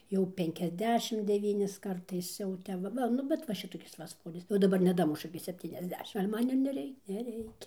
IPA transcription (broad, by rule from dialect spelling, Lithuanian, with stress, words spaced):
jɛʊ ˌpʲɛŋʲkʲɛzʲˈdʲæːʃʲɪm dʲɛˈʋʲiːnʲɪs ˈkɐrtɐɪs jɛʊ ˈtʲɛp ʋɐ ˈʋɐ ˈnʊ bʲɛt ʋɐ ˈʃʲɪtoːkʲɪs ʋɐ ˈsʋoːrʲɪs jɛʊ dɐˈbɐr nʲɛˈdɑːmʊʃʊ ɪkʲɪ sʲɛpʲˌtʲiːnʲɛzʲˈdʲæːʃʲɪm ɡɐlʲ ˈmɐn ɪr nʲɛˈrʲɛɪ nʲɛˈrʲɛɪkʲɛ